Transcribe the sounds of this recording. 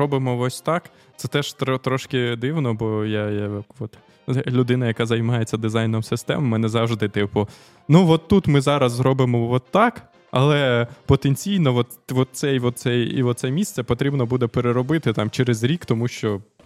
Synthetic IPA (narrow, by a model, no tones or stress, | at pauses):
ɔbɪmɔʋɔsʲt̪ɑk | t̪sɛt̪ɛʃt̪ɔt̪ɾɔʃkɪd̪ɪwnɔbɔjajaakʋɔt̪ | lʲʊd̪ɪnɐjɐkɑzɐjmɑjet͡sʲːɐd̪ɪzɑjnɔmsɪst̪ɛ̰mɔmɛnɛzɑwʒd̪ɪt̪ɪpʊ | nuʋɔt̪ːut̪mɪzɑɾɐzzɾɔbɪmɔʋɔt̪ːɑk | ɐlˠɛpɔt̪enʲt͡sʲijnɔʋɔt̪ʋɔt̪̚sɛjʋɔt̪̚sɛjḭʋɔt̪sɛmʲist̪sɛpɔt̪ɾʲibnɔbud̪ɛpeɾeɾɔbɪt̪ɪt̪ɑmt͡ʃɛɾezɾʲikt̪ɔmuʃt͡ʃɔ